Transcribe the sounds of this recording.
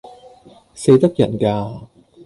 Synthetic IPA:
se˨˧˥jt̪ɐ˦˥k̚jɐ̰˨˩nkaː˧

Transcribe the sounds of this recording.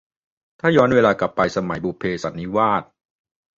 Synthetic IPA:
t̪ʰaː˥˩jɔː˦˥nweː˧laː˧kla˨˩pːa˧jsa˧ma˩˦jbuː˨˩pʰːeː˧sa˩˦nːi˦˥waː˥˩t̪̚

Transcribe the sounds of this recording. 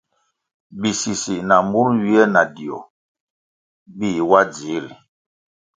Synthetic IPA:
bi˨si˨si˨na˨mbu˦lɥi˦ɛ˦na˨di˨ɔ̰˨ | bi˦˨wa˦d͡zi˨˦ɾi˨

